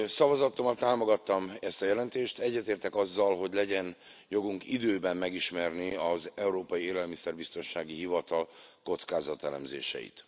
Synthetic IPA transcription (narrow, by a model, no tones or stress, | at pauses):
sɒvɒzɒt̪omɒt̪aːmo̞ɡɒt̪ːɒmɛst̪ɒjɛlɛnt̪eːʃt̪ɛɟːɛt̪eːrt̪ɛkɒzːɒlɦo̞ɟlɛɟɛn | jo̞ɡuŋkid̪øːbɛmːmɛɡiʃmɛrniɒzɛuɾoːpɒjieːlɛlmisɛrbist̪o̞nʃaːɡiɦivɒt̪ɒlko̞t̪skaːzɒt̪ɛlɛ̰mzḛːʃɛ̰jḭt̪